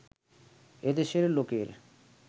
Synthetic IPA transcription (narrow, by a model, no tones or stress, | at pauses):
ed̪eʃeɾlokeɾ